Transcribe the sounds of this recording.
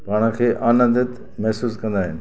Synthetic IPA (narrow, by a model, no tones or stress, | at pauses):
paːɽ̃əkʰeːʔaːnə̃nd̪ɪt̪ | mɛɦsuːskɐ̃nd̪aːɦɪnɪ̆